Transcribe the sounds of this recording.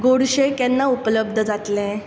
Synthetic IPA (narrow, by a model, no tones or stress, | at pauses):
ɡoɽɕekjɛnːaupələb̚d̪ʱəd͡zat̪lẽ